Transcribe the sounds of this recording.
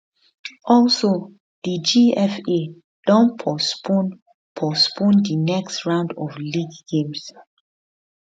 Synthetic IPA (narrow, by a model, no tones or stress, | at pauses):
ɔlso | d̥id͡ʒiɛfe | d̥ɔ̃npʰɔspõn | pʰɔspʰɔ̃ndinɛkstɹãʊ̃ndɔvliɡɡẽms